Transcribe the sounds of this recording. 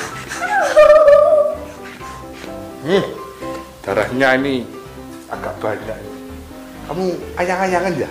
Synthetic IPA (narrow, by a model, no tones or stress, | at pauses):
d̪̥aɾahɲaini | aɡaʔb̥aɲani | kamuajaŋajaŋandia